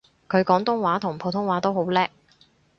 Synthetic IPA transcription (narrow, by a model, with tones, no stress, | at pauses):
kʰɵ˨˧ɥkɔː˨˥ŋt̪ʊ˥ŋwaː˨˥t̪ʰʊ˨˩ŋpʰo˨˥wt̪ʰʊ˥ŋwaː˨˥t̪o˥who˨˥wlɛː˥k̚